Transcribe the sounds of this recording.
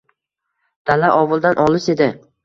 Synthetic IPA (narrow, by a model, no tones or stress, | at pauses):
d̪̥alaʔɒwʊlˠd̪anʔɒlˠɪʃe̞d̪ɪ